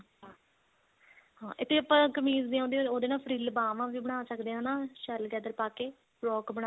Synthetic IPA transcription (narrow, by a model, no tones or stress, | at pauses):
ɦãːʔɪt̪ʰːeːəpãːkəmiːzd̪iːãːnd̪iːooːd̪eːnãːpʰəɾiːlbaːʋãːʋiːbəɽ̃aːsəkd̪eːãːnãːʃəlɡɛːd̪əɾpaːkeː | ɾɔːkbəɽ̃aː